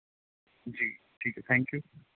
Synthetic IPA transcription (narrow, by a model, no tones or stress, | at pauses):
d͡ʒi | d͡ʒʰit̪ʰɛ̃ŋkju